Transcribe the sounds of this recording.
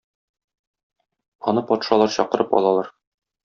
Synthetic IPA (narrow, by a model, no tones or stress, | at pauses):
ɒnɤpɒt̪ʃɑlˠɑɾɕɒqɤ̆ɾʔɤpɒ̰lˠɑlˠɑɾ